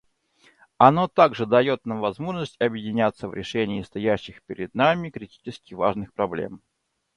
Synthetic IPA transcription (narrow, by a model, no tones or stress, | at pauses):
ɐno̞t̪aɡʐɨd̪ɐjo̞t̪̚namvɐzmo̞ʐnəsʲtʲɐbjɪdʲɪnʲat̪sːəvɾʲɪʂɛnʲɪːst̪ɐjæɕːɪxpʲɪɾʲɪd̪̚namʲɪkɾʲɪtʲi̥t͡ɕɪskʲɪva̰ʐnɨxpɾɐblʲḛm